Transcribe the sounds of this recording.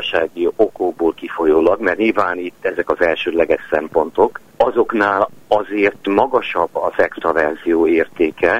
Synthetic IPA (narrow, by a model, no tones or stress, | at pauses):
ʃaːɡio̞koːboːlkifo̞joːlɒɡmɛrɲilvaːnit̪ːɛzɛkɒzɛlʃøːd̪lɛɡɛʃsɛmpo̞nt̪o̞k | ɒzo̞knaːlɒzeːrt̪mɒɡɒʃɒbːɒzɛkst̪ɒvɛrzijoːeːrt̪eːkɛ